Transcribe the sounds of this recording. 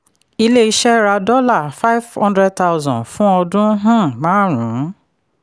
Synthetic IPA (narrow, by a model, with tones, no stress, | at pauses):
i˧le˦i˧ʃɛ˦ɾa˧dɔ˦la˦˨fa˦jv̥hɔ̃˦ndɾɛ˦d̚ta˦ʊzɔ̃˨nfũ˦ɔ˧dũ˦ɦã˦˨mãː˨˦ɾũ˨˦